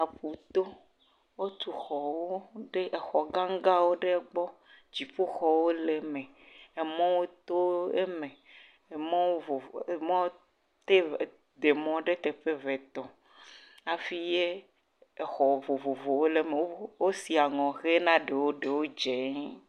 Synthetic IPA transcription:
a˨ɸu˨t̪o˦ | wo˦t̪u˨xɔ˨wo˦ɖe˦ʔe˨xɔ˨ɡã˦ŋ˦ɡa˦wo˦ɖe˦ɡ͡bɔ˦ | d͡ʑi˨ɸo˦xɔ˨wo˦le˨mẽ˨ | e˨mɔ̃˦wo˦t̪o˦e˦mẽ˨ | e˨mɔ̃˦wo˦vo˨e˨mɔ̃˦w | t̪e˦˨ | d̪e˨mɔ̃˦ɖe˦t̪e˨ɸe˦ve˨t̪ɔ˨ | a˨fi˦je˦ | e˨xɔ˨vo˨vo˨vo˨wo˦le˨mẽ˨wo˦wo˦si˨a˨ŋɔ̃˨ɣe˦nã˦ɖe˨wo˦ɖe˨wo˦d͡ʒe˨˦

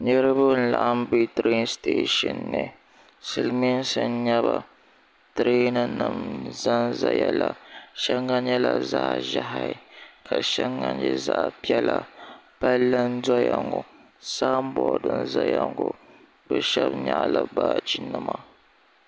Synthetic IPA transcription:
ɲɛ˦ɾɨ˦bɨ˦n̩˦la˨ʔa˦m˦bi˦tɾe˦nsteː˦ʃɨ˨nːɨ˨ | sɨ˨lmi˦n˦sɨ˦n˦ɲɛ˦βa˨ | tɾe˦nɨ˨nɨ˨mza˦nza˨jɛ˦la˨ʃɛ˦ŋːa˦ɲɛ˦la˨za˦ʒa˦ɦa˨˦ɪ˨kʰa˨ʃɛ˦ŋːa˦ɲɛ˦za˦˨ʔpi˦ɛ˦la˨b̥a˦lːɨ˦n˦da˦ja˨ŋɡo˨ | sa˦m˦bɔ˨dɨ˦nza˦ja˨ŋɡo˨ | bɛ˦ʃɛ˦bɲa˦˨la˨baː˦d͡ʒi˦nːɨ˨ma˨

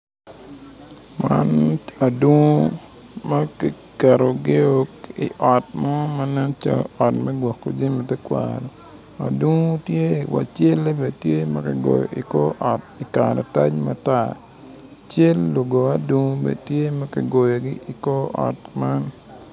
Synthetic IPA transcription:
ma˦na˨du˦ŋo˦ | mɐ˦ki˨ | kɛ˨ɾo˨ɡɪ˦o˦kḭ˨ʔɔ˨t̚mɔ˦mɐ˦nɛ˦nt͡ʃa̰˦ɔ˨tmɛ˦ɡwɔ˨kːo˨d͡ʒe˦mi˨tɛ˦kwa̰ɾɔ˨ | a̰˨dwu˦ŋo˦tje˦wa̰˨t͡ʃe˦le˦be˨tje˦mɐ˦kɪ˨ɡo̰˨jo̰˨ʔi˨ko˦ʔɔ˨ti˨kaɾa˨ta˦ɲma˦ta˨ | t͡ʃe˦lːo˨ɡo˨a˦du˦ŋo˦bḛ˨tje˦mɐ˦kɪ˨ɡo˨jo˨ɡɪ˦i˨ko˦ɔ̰˨tma˦n

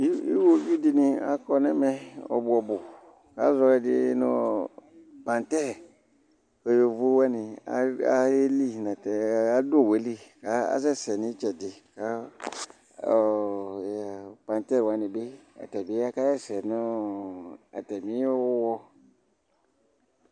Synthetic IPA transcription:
i˦ḭ˦wo˦ɡi˦di˧nĩ˧a̰˨kɔ˧nɛ˦mɛ˦ɔ̰˨bu˨ɔ˨bu˨ | ka˨˦zɔ˧ɛ˧di˧˦nɔ˦ | pã˨ntɛ˦˨ | o˨jo˨vu˦wa˦ni˧a̰˦a˦e˦li˦˨na˨tɛ˨a˦do˦˨we˨˦li˦˨ka˨˦a̰˦zɛ˦˨sɛ˨nĩ˦t͡ʃɛ˨di˨ka˨˦˨ | jpã˨ntɛ˦ɾwa˨˦ni˨be˦a̰˨tɛ˨bi˦a˦ka˦jɛ˦sɛ˨nɔ˦ | a̰˨tɛ˨mĩ˨˦ɔ˦ɔ˦wɔ˧

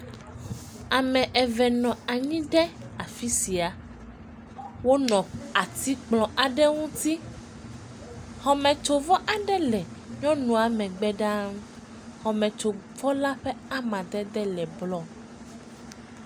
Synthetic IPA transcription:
a˨mɛ̃˨ʔɛ˨vɛ˨nɔ̃˨a˨ɲĩ˦ɖɛ˦ | a˨fi˦si˨a˨ | wo˦nɔ̃˨a˨t̪i˦k͡plɔ̃˨ʔa˨ɖɛ˦ŋũ˦t̪i˦ | xɔ˨mɛ̃˨t͡ʃo˨vɔ˦ʔa˨ɖɛ˦lɛ˨ɲɔ̃˦nũ˨a˨mɛ̃˨ɡ͡bɛ˦ɖa˦m | xɔ˨mɛ̃˨t͡ʃo˨vɔ˦la˦ɸɛ˦a˦mã˨d̪ɛ˦d̪ɛ˦lɛ˨blɔ˦

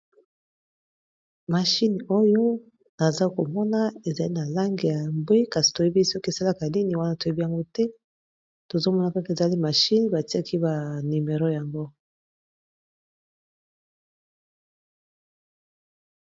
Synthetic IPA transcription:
ma˨ʃi˦n˨o˦jo˦ | na˨za˦ko˨mɔ˦na˦e˨za˨li˦na˨la˦ŋɡe˨ja˨mbwe˦ka˨si̥˨to˨je˦bi˦sɔ˦ke˨sa˦la˦ka˨ni˦ni˦wa˦na˦to˨e˦bi˦ja˨ŋɡo˦tɛ˦ | to˨zo˦mɔ˦na˦˨ka˦ke˨za˨li˦ma˨ʃi˦n˨ba˨ti˦a˦kʰi˦ba˨ni˨me˨ʁo˦ja˨ŋɡo˦

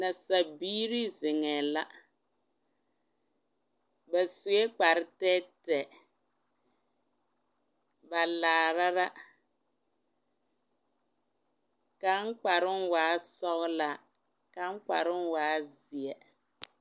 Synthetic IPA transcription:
na˨sa˨biː˦ɾi˦zɪ˨ŋɛ˨la˦ | ba˨su˨e˦k͡pa˨ɾɪ˦tɛ˦tɛ˨ | ba˨laː˨ɾa˦ɾa˦ | ka˦ŋ˦k͡pa˨ɾɪ˦nwaː˨˦sɔ˦ɣla˨ | ka˦ŋ˦k͡pa̰˨ɾɪ˦nwaː˨˦zi˨ɛ˨

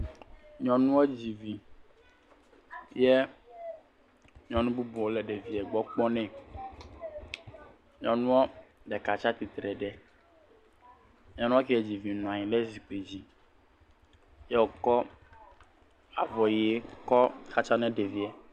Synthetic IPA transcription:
ɲɔ̃˨nũ˦we˦d͡ʑi˨vi˨ | jɛ˦ | ɲɔ̃˨nũ˦bu˦bu˨wo˦lɛ˨ɖe˨vi˨ɛ˨ɡ͡bɔ˦k͡pɔ˦nɛ̃˦˨ | ɲɔ̃˨nũ˦wo˦ɖɛ˨ka˨t͡ʃa˦t̪i˨t̪ɾɛ˨ɖɛ˨ | ɲɔ̃˨nũ˦ɔ˦kɛ˦e˦d͡ʑi˨vi˨nũ˨a˨ɲĩ˨lɛ˦zi˨k͡pe˨d͡ʑi˨ | jɛ˦wo˨kɔ˦ | a˨vɔ˨ji˨e˦kɔ˦xa˦t͡ʃa˦nɛ̃˦ɖe˨vi˦ɛ˨

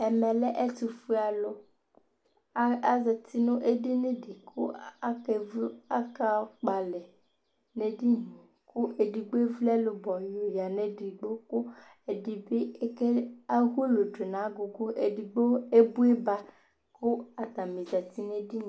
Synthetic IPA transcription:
e˨me˨lɛ˦ʔe˦t̪u˨fu˦a˨lo˦ | a˦za˨t̪i˦nõ˦ʔe˦ɖi˦ne˦ɖi˨kʰo̰˦a˦ke˨vu˦a˦ka˦k͡pa˨lɛ˨ | ne˨ɖi˦ɲĩ˨ | kʰu˦ʔe˨ɖi˨ɡ͡be˦vlɛ˦lo˨bɔ˨jo˨ja˨ne˨ɖi˨ɡ͡bo˦ko˦ | e˨di˨be˦ke˦a˦ɦu˦lo˨d͡ʒo˨nã˨˦ɡo˨ɡo˦ʔe˨ɖi˨ɡ͡bo˦e˦bu˦e˦ba˦ | ko˦a˨t̪a˨mĩ˨za˨t̪i˦ne˦ɖi˦ɲ̃˨

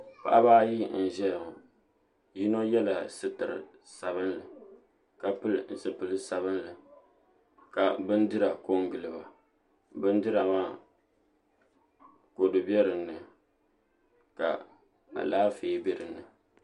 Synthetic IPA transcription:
pa̰˨ʔa˦baː˦ji˦n̩˨ʒɛ˦lŋʊ˨ | ji˦no˦jɛ˦la˨sɨ˦tɨ˨ɾɨ̰˨ | sa˨bɨ˦nlɨ˨ | ka˨pɨ˦˨n˨sɨ˨pɨ˨lɨ˦sa˨bɨ˦nlɨ˨ | ka˨bɨ˦ndɨ˦ɾa˨ko˦ŋɡɨ˨lɨ˨ba˨ | bɨ˦n˦dɨ˦ɾa˨maː˦ | ko˨dɨ˨bɛ˦ɾɨ˨nːɨ˨ | ka̰˨ | a̰˨laː˦feː˨˦bɛ˨ɾɨ˨nːɨ˨

